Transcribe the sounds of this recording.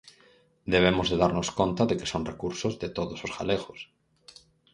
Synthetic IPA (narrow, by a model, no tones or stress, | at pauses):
d̪eβ̞emozðeðaɾnoskont̪aðeke̥soŋrekuɾsozðet̪oðososɣa̰leɣos